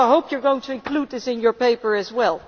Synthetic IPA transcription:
aɪɦoʊpjə˞ɡoʊɪ̃ŋtʰɨɨ̃nkʰl̥ud̪̚ðɪsɨ̃njə˞peɪpə˞ɨzwɛlˠ

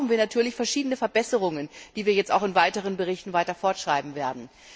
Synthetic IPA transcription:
xn̩viːɐnatʰyːɐlɪçfɛɐʃiːdənəfɛɐbɛsəʁʊŋənd̥iːviːɐjɛt͡staʊxɪnvaɪtəʁ̞ənbəʁ̞ɪçtn̩vaɪtɐfɔɐtʃʁ̥aɪbm̩veːɐdn̩

